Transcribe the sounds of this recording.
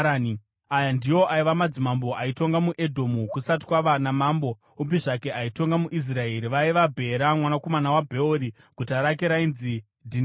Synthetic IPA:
ni | ajandijo̞ʔaiʋamad͡zimambo̞ʔaito̞ŋɡamuʔe̞dʱo̞mukusat̬waʋanamambo | ubiʐake̞ʔaito̞ŋɡamuʔis̬rae̞ɾiʋaiʋabʱe̞ɾamwanako̞manawabʱe̞oɾi | kutaɾak̬eɾainzi | dʱin

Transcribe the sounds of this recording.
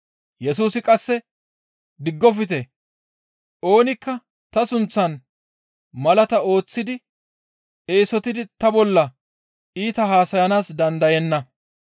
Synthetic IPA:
jɛsuːsɪkʼɐsːɛ | d̪ɪɡːɔfɪt̪ɛ | ʔo̞ːnɪkːɐ | t̪ɐsʊnt͡sːɐn | mɐlɐt̪ɐo̞ːt͡sːɪd̪ɪ | eːsɔt̪ɪd̪ɪt̪ɐbɔlːɐ | iːt̪ɐhaːsɐjɐnaːsd̪ɐnd̪ɐjɛnːɐ

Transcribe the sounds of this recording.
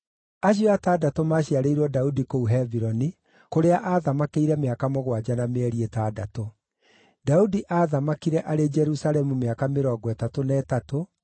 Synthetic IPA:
aɕ̬joataːdatomaːɕiaɾeiɾwɔdaudikouɦɛviɾɔni | koɾeaʔaːðamakeiɾɛmeakamoɣwad͡ʒanameɛɾietaːdato | daudiʔaːðamakiɾɛʔaɾed͡ʒɛɾusalɛmumeakameɾɔːɡwɛtatonɛːtato

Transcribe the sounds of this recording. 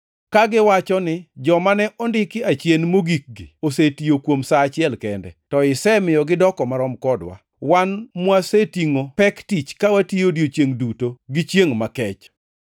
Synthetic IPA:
kaɡɪwat͡ʃɔnɪd͡ʒɔmanɛʔɔndɪkɪat͡ʃjenmoɡik̚ɡiosetijokwomsaːt͡ʃɪɛlkɛndɛ̰tɔɪsɛmɪjɔɡɪdɔkɔmaɾɔmkɔdwa̰ | wanmwasetiŋopɛktit͡ʃkawatijodjot͡ʃjeŋdutoɡɪt͡ʃjeŋmakɛt͡ʃ

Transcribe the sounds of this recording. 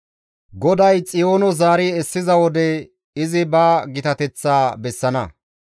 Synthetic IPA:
ɡɔd̪ɐjt͡sʼɪjo̞ːnɔzaːɾɪɛsːɪzɐwɔd̪ɛ | ɪzɪbɐɡɪt̪ɐt̪ɛt͡sːaːbɛsːɐnɐ

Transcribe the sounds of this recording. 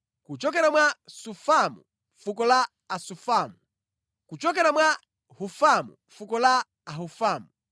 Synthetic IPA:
kut͡ʃɔkɛɾamwasufamṵ | fukɔlaː | sufaːmu | kut͡ʃɔkɛɾamwa | hufamṵ | fukɔlaː | ɦufaːmu

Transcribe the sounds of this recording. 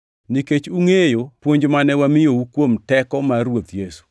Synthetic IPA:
niket͡ʃuŋejopwoɲd͡ʒmanɛwamɪjowukwomtɛkɔmaɾwot̪jesu̥

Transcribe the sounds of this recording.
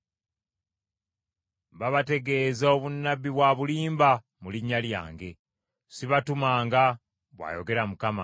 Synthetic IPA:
βaβate̞ɡe̞ːzao̞βunːabːiβwaβuliːmba | muliɲːalja̰ːŋɡe̞ | siβatumaːŋɡa | βwa̰jo̞ɡe̞ɾamukama̰

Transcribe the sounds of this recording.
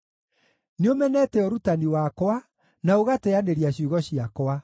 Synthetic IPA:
neomɛnɛtɛɔɾutaniwakowa | naoɣatɛaneɾiaɕjuɣɔɕiakwa

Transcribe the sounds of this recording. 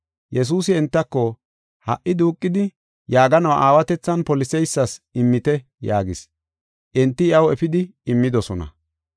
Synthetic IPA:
jʔɛs̬uːsɪɛnt̪ːɐkːɔ | hɐ̰ʔːɪd̪uːkʼːɪd̪ɪ | jaːɡɐnɐwʔaːwɐt̪ɛt͡sːɐnpɔlɪsɛjsːɐsɪmːɪt̪ɛ | jaːɡɪs | ʔɛnt̪ːɪɪɐwɛfɪd̪ɪɪmːɪd̪ɔsɔnɐ̰

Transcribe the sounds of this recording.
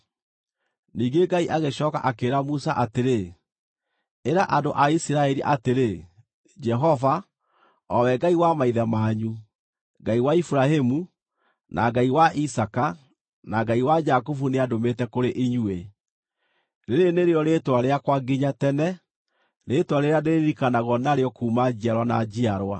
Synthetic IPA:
niːɡeɡaiʔaɣeɕɔːka̰ʔakeːɾamusaʔateɾe | eɾaʔandoʔaisiɾaɛɾiʔateɾe | d͡ʒɛɦɔva | ɔwɛɡaiwamaiðamaːɲu | ɡaiwaifuɾahemu | nʔa̰ɡaiwaʔisaka | naɡaiwad͡ʒakofuneadometɛkoɾeʔiɲue | ɾeɾeneɾeɔɾetwaɾeakwaɡiɲatɛnɛ | netwaɾeɾaneɾeɾikanaɣɔnaɾeɔkuːmad͡ʑiaɾwanad͡ʑiaɾwa̰

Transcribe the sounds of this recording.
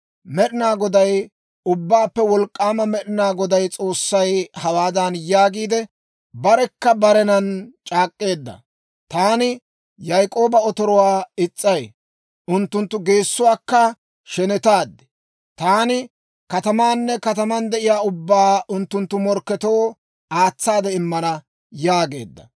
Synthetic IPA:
mɛɗɪnaːɡɔd̪ɐj | ʊbːaːpːɛwɔlkʼːaːmɐmɛɗɪnaːɡɔd̪ɐjt͡sʼo̞ːsːɐjhɐwaːd̪ɐnjaːɡiːd̪ɛ | bɐɾɛkːɐbɐɾɛnɐnt͡ʃʼaːkʼːe̞ːd̪ːɐ̰ | t̪aːnɪ | jɐjkʼo̞ːbɐɔt̪ɔɾɔwaːɪt͡sʼːɐj | ʔʊnt̪ːʊnt̪ːʊɡe̞ːsːʊwaːkːɐ | ʃɛnɛt̪aːd̪ːɛ̥ | t̪aːnɪ | kɐt̪ɐmaːnːɛkɐt̪ɐmɐnd̪ɛʔɪjaːʊbːaːʔʊnt̪ːʊnt̪ːʊmɔɾkːɛt̪o̞ː | aːt͡sːaːd̪ɛɪmːɐnɐ | jaːɡe̞̰ːd̪ːɐ̰

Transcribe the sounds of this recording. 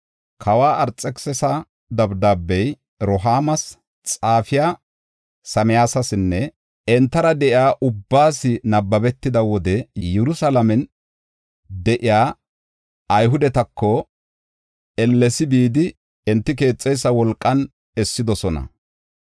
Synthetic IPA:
kʰɐwaːʔɐɾt͡sʼːɛksɛsɐ | d̪ɐbd̪aːbːɛj | ɾɔɦaːmɐs | t͡sʼaːfɪjaː | sɐmɪjaːsɐsɪnːɛ | ɛnt̪ːɐɾɐd̪ɛʔɪaːʔʊbːaːsɪnɐbːɐbɛt̪ːɪd̪ɐwɔd̪ɛjɛɾʊsɐlɐmɛn | d̪ɛʔɪjaː | ɐjɦʊd̪ɛt̪ɐkːɔ | ɛlːɛsɪbiːd̪ɪ | ɛnt̪ːɪk̬e̞ːt͡sʼːɛjs̬ːɐwɔlkʼːɐn | ɛsːɪd̪ɔsɔnɐ̰

